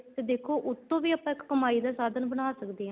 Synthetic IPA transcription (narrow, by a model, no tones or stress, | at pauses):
t̪eːd̪eːkʰoːʔʊt̪ːõːʋiːəpːãːɪkkəmaːiːd̪aːsaːd̪ənbənaːsəkd̪eːɦɛ̃ː